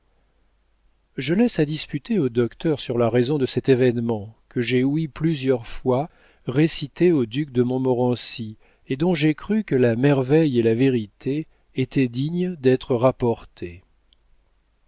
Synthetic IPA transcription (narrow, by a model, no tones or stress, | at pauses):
ʒəlɛsad̪ispyt̪eod̪ɔkt̪œʁsyʁlaʁezɔ̃d̪əsɛt̪evɛnmɑ̃kəʒeuiplyzjœʁfwa | ʁesit̪eod̪yk̚d̪əmɔ̃mɔʁɑ̃si | ed̪ɔ̃ʒekχykəlamɛʁvɛjelaveʁit̪ʰeː | t̪ɛd̪iɲd̪ɛt̪χəʁapɔʁt̪ʰe